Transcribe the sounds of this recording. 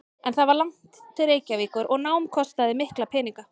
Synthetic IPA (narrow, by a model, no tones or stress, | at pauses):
ɛnθaðvaɾlaŋ̥t̪t̪ʰɪɾeːjcaviːkʏɾʔɔɣnaːwmkʰɔst̪aðɪmɪhklapʰɛːniŋka